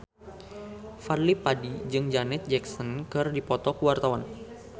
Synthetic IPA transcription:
farlipadid͡ʒɨŋd͡ʒanɛt̪̚d͡ʒɛksɔnkɨrdipɔt̪ɔkuwart̪awan

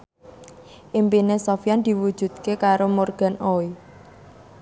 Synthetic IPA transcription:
ʔimpinesofijand̪̥i̤wud̥d͡ʒʒ̥ṳd̪̥̚kekaɾomorɡ̥a̤nʔoi

